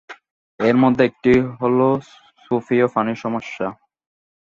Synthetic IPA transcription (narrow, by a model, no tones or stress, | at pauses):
eɾmod̪ʱːeek̚ʈiɦolo | sufiofaniɾʃɔmoʃːa